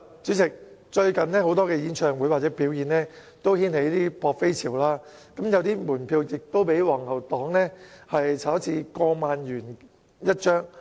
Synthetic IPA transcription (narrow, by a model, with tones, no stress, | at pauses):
t͡sy˨˥t͡sɪ˨k̚t͡ʃɵ˧ɥkɐ˨nnɛː˥ho˨˥wt̪ɔː˥kɛː˧jiː˨˥nt͡ʃʰœː˨ŋwu˨˥jwaː˨t̚t͡sɛː˨˥piː˨˥wjiː˨˧nnɛː˥ | t̪o˥whiː˥nhe˨˥jt̪iː˥pɔː˧k̚fe˥jt͡sʰiː˨˩wlaː˥ | kɐ˨˦mjɐ˨˧wt̪iː˥muː˨˩npʰiː˧wjɪ˨k̚t̪o˥wpe˨˥jwɔː˨˩ŋhɐ˨˩wt̪ɔː˨˥ŋlɛː˥hɐ˨jt͡sʰaː˨˥t͡sʰiː˨˥kɔː˧maː˨njyː˨˩n | jɐ˥t̚t͡ʃœː˥ŋ